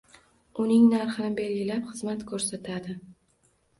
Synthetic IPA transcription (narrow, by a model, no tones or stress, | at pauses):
ʊnɪŋnaɾχɨnɪbe̞lɡʲɪlapχɨzmat̪kʰɵɾsat̪ʰad̪ɪ